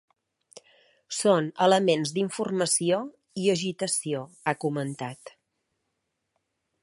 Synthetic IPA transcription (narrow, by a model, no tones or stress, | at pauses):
sonələmenzd̪iɱfurməsio | iəʒit̪əsio | akumənt̪at̪